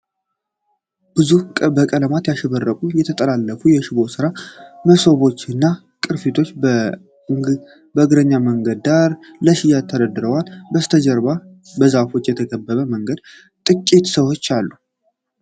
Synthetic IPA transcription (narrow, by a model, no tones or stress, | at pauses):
b̥ɨzukʼəbəkʼələmat̪jaʃɛβərːəkʼujɛt̪ʰət̪ʼəlalːəfujɛʃɪβo̞sɨɾaməso̞βo̞t͡ʃːɨnːa | kʼɨɾfit̪ʰo̞t͡ʃː | bəɡɨɾəɲːaməŋɡəd̪d̪aɾ | ləʃɪjat̪ʰːəɾəd̪ɨɾəwalbəst̪ʰəd͡ʒəɾba | bəzafo̞t͡ʃːjɛt̪ʰəɡəbːəβəməŋɡəd̪̚ | t̪ʼɨkʼːet̪səwo̞t͡ʃːalːu